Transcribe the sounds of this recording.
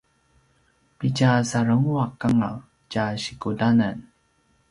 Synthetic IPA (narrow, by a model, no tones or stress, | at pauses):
picasaɾəŋuakaŋa̰ | caɕikudanan